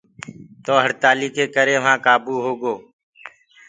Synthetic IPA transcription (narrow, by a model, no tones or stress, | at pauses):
t̪oːɦəɽt̪aːliːkeːkəɾeːʋãːkaːbuːɦoːɡoː